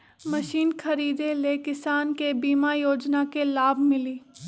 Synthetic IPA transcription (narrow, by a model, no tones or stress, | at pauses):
mɐʃiːnkʰɐɾiːd̪elekɪsaːnkebiːmajoːd͡ʒnakelaːbʱmɪliː